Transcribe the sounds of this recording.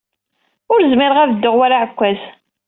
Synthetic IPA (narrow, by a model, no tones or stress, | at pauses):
ʊɾzmɪɾəʁævəd̪ːəʁwaɾaʕəkʷːæz